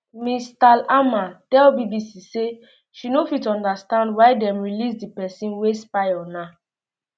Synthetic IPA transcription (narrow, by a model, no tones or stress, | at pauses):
mistalamatɛlbibisise | ʃinofitɔ̃ndastãndwaɪdɛ̃mɹilisdipɛsĩnwespajɔna